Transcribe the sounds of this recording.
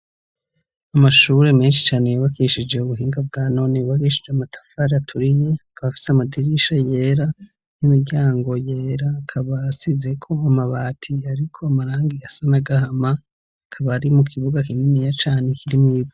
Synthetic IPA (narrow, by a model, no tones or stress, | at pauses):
amaʃuɾe̞me̞ːnʃi̥t͡ʃaːne̞jaβakiʃid͡ʒe̞uβuɦiːŋɡabɡaːno̞niβakiʃid͡ʒeamatʰḁfaɾatʰuɾije̞kʰaβafi̥seamadiɾiʃaje̞ːɾa | nimiɾɟaːŋɡo̞jeːɾakʰaβasize̞kʰo̞amaβaːtʰiaɾikʰo̞amaɾaːŋɡiasanaɡahama | kʰaβaɾimukʰiβuɡakininijat͡ʃaːne̞kiɾimŋiːba